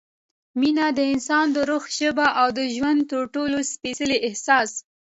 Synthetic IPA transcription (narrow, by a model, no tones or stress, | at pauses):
minad̪əɪnsɑnd̪əɾʊxʒəbaʔawd̪əʒwand̪t̪əɾʈolospesəleʔɪhsɑs